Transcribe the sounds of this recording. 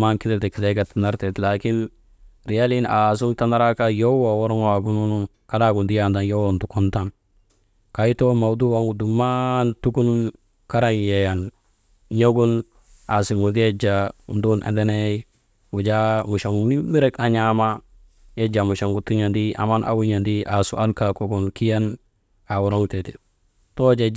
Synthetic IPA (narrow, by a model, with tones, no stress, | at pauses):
ma˦nki˦de˦te˨ki˨le˦ɡa˨ta˨na˦ɾte˨tla˨ki˦n | ɾi˨ja˦li˦na˨s̬u˦ŋta˦na˦ɾa˦ka˦jo˦wa˨wo˦ɾu˦ŋa˨ɡu˦nu˦nu˦ | ka˦la˦ɡu˨ndi˦ja˨nda˨njo˦wo˨ntu˨ku˦nta˦˨n | ka˨i˦to˦ma˨wdu˦wa˨ŋu˨du˨ma˦ntu˦ku˦n | ka˦ɾa˦ŋje˨ja˨n | ɲo˦ɡu˦n | a˨si˨ŋu˨de˦d͡ʒa˨u˨ndu˦nʔa̰˨nde˦ne˦ | wu˨d͡ʒa˦mu˨ʃa˨ŋ˨ni˦mi˦ɾe˦ka˨ɲa˦ma˦ | je˦d͡ʒa˨mu˨ʃa˨ŋɡu˨tu˦ɲa˨ndi˦a̰˨ma˦nʔa̰˨wu˦ɲa˨ndi˦ʔa˨su˨˦a˦nka˨ko˦ɡu˨nki˦ja˦n | a˨wu˨ɾo˦ŋte˨ti̥˨ | to˦d͡ʒe˨